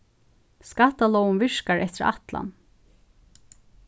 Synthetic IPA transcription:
skat̪alɔwnvɪʂkaɹʔɛht̪ɪɾa̰t̪la̰n

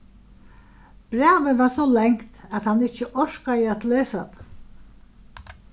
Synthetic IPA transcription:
b̥ɾæːʋɪvaɾsɔlɛŋkt̪at̪hanːɪt͡ʃːəʔɔʃkajəat̪leːsat̪

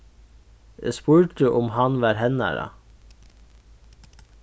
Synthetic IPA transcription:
ʔḛspuːɹd̪əʔʊmhɑnʋæːɾhɛnɑ̰ɾɑ̰

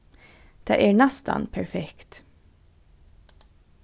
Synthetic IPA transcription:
d̪̥æ̰ːʔæːnɑst̪ɑ̰npʰæɹfɛkt̪

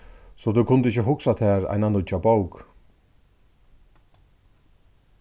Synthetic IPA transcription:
sɔd̪ʉkʰʊnd̪əɪçəɦʊksat̪ʰɛːɾa̰ɪnanʊt͡ʃaboʊk

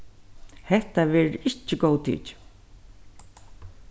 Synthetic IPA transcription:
hɛht̪aʋɛːɹɪt͡ʃːɪɡoːwt̪ʰḭt͡ʃ

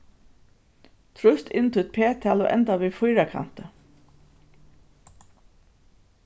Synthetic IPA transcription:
t̪ʰɾʉst̪ʰɪnt̪ʰʊt̪̚pʰeːt̪ʰæːlɔ̰ʔɛ̰nt̪aʋiːfʊjɾakʰa̰n̥t̪ə

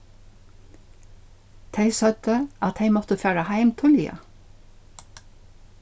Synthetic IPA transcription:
t̪ʰeɪsœd̪̥əʔɑt̪heɪmɔt̪əføːɹɑhæɪmt̪ʰʊljɑ̰

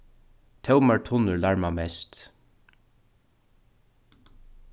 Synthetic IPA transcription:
t̪ʰɛwmaɹt̪ʰʊnəɹlaɹmamɛst̪

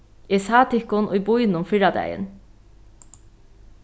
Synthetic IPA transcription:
isaːt̪ʰɪkʊnʔʊ̰jbʊjnʊmfɪɹad̪æ̰jə̰n

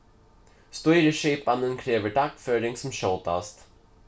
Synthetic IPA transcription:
st̪ɔjɾəʂeːpːanənkʰɾeːvəɖakfœːɾɪŋsɔmɕɔwt̪a̰st̪

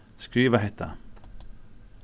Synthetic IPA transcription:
skɾiːvaɦɛt̪ʰːa̰

